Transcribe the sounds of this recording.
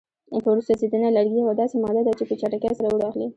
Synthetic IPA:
pəwɾust̪azid̪ənalaɾɡiawad̪ɑsemɑd̪ad̪at͡ʃepət͡ʃaʈakasaɾauɽɑxli

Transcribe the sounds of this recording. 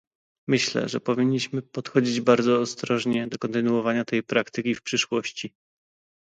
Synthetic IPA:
mɘɕlɛ̰ʐɛ̰pɔvʲiɲːiɕmɘpɔt̪xɔd͡ʑid͡ʑbaɾd̪zɔːst̪ɾɔʐɲɛd̪ɔkɔnt̪ɘnuɔvaɲat̪ɛjpɾakt̪ɘkʲifpʂɘʂwɔɕt͡ɕi

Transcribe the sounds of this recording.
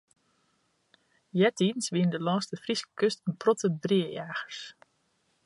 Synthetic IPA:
jɛtinsʋiəndəlɔːstəfriskə̥køstənprɔtəbriəjaːxəɹs

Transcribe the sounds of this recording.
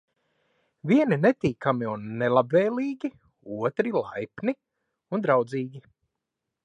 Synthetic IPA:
vʲiɛninɛt̪iːkamiunːelˠabvɛːlʲˠiːɡʲi | uɔt̪ɾilˠa̰jpni | und̪ɾawd̪ziːɡʲi

